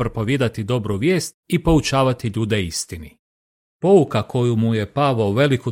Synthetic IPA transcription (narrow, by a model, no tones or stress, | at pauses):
pɾopo̞ʋjed̪at̪id̪o̞bɾuʋje̞ːst̪̚ipo̞ut͡ʃaːʋat̪iʎuːd̪eist̪ini | po̞ukako̞jumuje̞paʋaoʋe̞liku